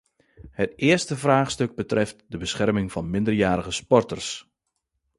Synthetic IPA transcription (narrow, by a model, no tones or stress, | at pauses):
hətɪəstəvraːχstøɡ̚bətrɛftdəbəsχɛrmɪŋv̥ɑnmɪndərjaːɾəɣəspɔrtərs